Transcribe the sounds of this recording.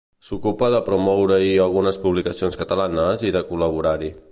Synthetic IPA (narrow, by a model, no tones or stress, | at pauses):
sukupəðəpɾumɔwɾəiəlˠɣunəspuβlikəsionskət̪əlanəziðəkuləβ̞uɾaɾi